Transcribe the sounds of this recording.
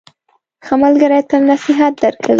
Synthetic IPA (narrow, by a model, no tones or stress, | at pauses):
xamalɡaɾajt̪anasɪɦat̪̚d̪aɾkəl